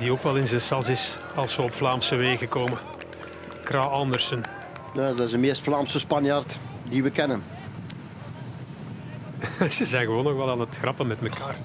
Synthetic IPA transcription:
dioːkʋɛlˠɪnzənsɑzɪs | ɑlˠsʋəɔpflaːmsəʋeːɣəkoːmə | kɾaːɑndərsən | jadɪzdəmeːstflaːmsəspɑnjartdiʋəkɛnən | z̥əzɛjnɣəʋoːnɔxʋɛlˠaːnətxrɑpənmɛtməkaːr

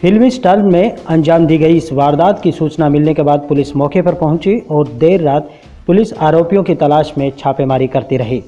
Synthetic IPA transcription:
fʰɪlmisʈaːlmẽɐ̃nd͡ʒaːmd̪iːɡɐiɪsʋaːɾd̪aːd̪kisuːt͡ʃnamɪlnekebaːd̪̚pʊlɪsmɔːkepɐɾpɐɦʊ̃t͡ʃiɔːɾd̪eːɾːaːt̪ | pʊlɪsaːɾoːpijõkit̪ɐlaːʃmẽt͡ʃʰaːpemaːɾikɐɾt̪iɾɐɦiː

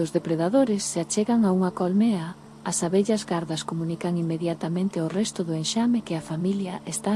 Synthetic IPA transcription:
ʊzðepɾeðaðoɾɪsːeat͡ʃeɣɐŋauŋɐkolmeɐ | ɐsaβeʎɐzɣaɾðɐskomũnikɐŋimːeðjat̪amẽnt̪ɪorɛst̪ʊðʊenʃamɪkɪafamiljɐʔest̪a

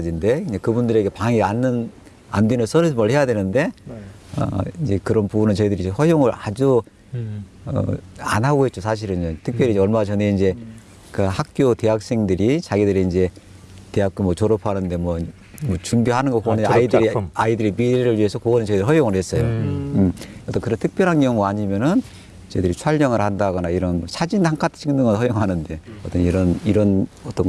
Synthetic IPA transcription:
d͡ʑinde̞ind͡ʑekɯbundɯɾe̞ɡe̞paŋianːɯn | a̰ndwenɯs͈ʌɾɯmʌɭhe̞jadwe̞nɯnde̞ | ʌ̰ind͡ʑe̞kɯɾʌnpubunɯnt͡ɕʌidɯɾid͡ʑeɸʌjoŋɯɾad͡ʑu | ʌ̰anɦaɡoɦet̚t͡ɕosʰaɕ̬ʰiɾɯntʰɯk̚pjʌɾid͡ʑeʌɭmat͡ɕʌne̞ind͡ʑe̞ | kɯhak̚k͈jote̞ɦak̚s͈e̞ŋdɯɾit͡ɕaɡidɯɾeind͡ʑe̞ | te̞ɦak͈omwʌt͡ɕoɾʌpʰanɯnde̞mwʌ | mʌt͡ɕumbiɦanɯnɡʌkoneaidɯɾaidɯɾimiɾeɾɯɭɥiesʰʌkoɡʌnɯnt͡ɕedɯɾɦʌjoŋɯɾɦe̞s͈ʌjomʌt͈ʌnkɯɾʌntʰɯ̥k̚p͈jʌɾɦankjʌŋuaɲimjʌnɯn | t͡ɕedɯɾit͡ɕʰwaɭɲʌŋɯɾhandaɡʌnaiɾʌnmʌsʰad͡ʑintʰaŋkʰatʰt͡ɕʰiŋnɯŋɡʌɦʌjoŋanɯnde̞ʌt͈ʌniɾʌniɾʌnʌt͈ʌn

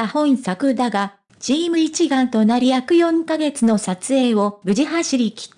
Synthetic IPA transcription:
ahõ̞ɰ̃sakɯ̟d̪aɡa | d͡ʑiːmɯ̟it͡ɕiɡãnt̪o̞naɾʲijakɯ̟jõ̞ŋkaɡe̞t͡sɨno̞sat͡sɨe̞ːo̞bɯ̟ʑiɦaɕiɾʲikʲi̥

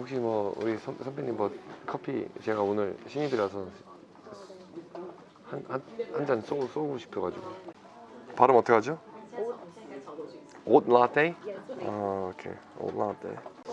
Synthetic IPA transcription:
okɕʰimwʌṵɾisʰʌsʰʌmpʰeɲimʌkʰʌpʰḭt͡ɕe̞ɡaonɯɭɕʰiɲibiɾasʰʌ | hanhahand͡ʑans͈os͈oɡoɕʰi̥pʰjʌɡad͡ʑiɡo̰ | paɾɯmʌtʰeɡad͡ʑo | otlatʰeaokʰḛ | o̰t̚la̰tʰḛj

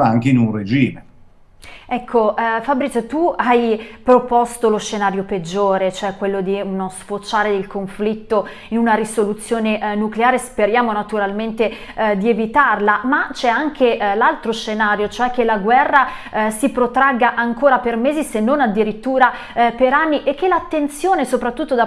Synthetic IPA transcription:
aaŋkeinunred͡ʒiːme | ɛkʰːofabɾist̪uajpɾopɔst̪oloʃːenaːɾjoped͡ʒːoːɾet͡ʃoɛkːwelːod̪iunosfot͡ʃːaːɾeeilkoɱflit̪ːo | inunaɾisolut̪sːjoːneʔnukleaːɾespeɾjaːmonat̪uɾalment̪e | d̪ievit̪arlamat͡ʃɛaŋkʰelalt̪ɾoʃenaːɾjot͡ʃoɛkːelaɡwɛrːasipɾot̪ɾaɡaʔaŋkoːɾapermeːzisenːonad̪ːiɾit̪ːuːɾa | peɾanːiʔekːelat̪ːent̪sjoːnesopɾat̪ːut̪ːod̪a

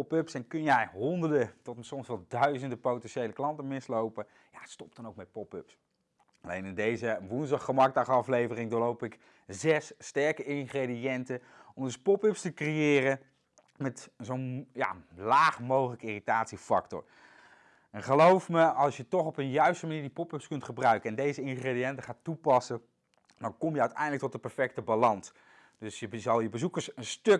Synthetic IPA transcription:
pɔpɵpsɛnkɵnjɛjɦɔndəɹdətɔtsɔmsʋɛlˠdœɥzəndəpowtɛnʃejləklɑntəmɪslowpə | jastɔp̚d̥ɑnowk̚mɛt̚pɔpɵps | ɑlejnɪndejzəʋunzdɑχəmɑɡ̚dɑχɑflejvərɪŋdʊːɹlowpɪk | zɛsːtɛɹkəɪŋχredijɛntən | ɔmdɵspɔpɵpstəkrejɪːrə | mɛtzownja̰laːχmowχələkəɪritaːtsifɑ̰ktɔ̰ɹ | ɛnχəlowfməɑlˠsjətɔχɔpənjœɥstəmaniːɹdipɔpəpskɵntχəbrœɥkəɛndejzəɪŋχredijɛntəχaːtupɑsə | dɑnkɔmjəœɥtɛ̰jndlək̚tɔtəpɛɹfɛk̚təbalɑns | dɵsjəzɑlˠjəbəzukəɹsənstøk

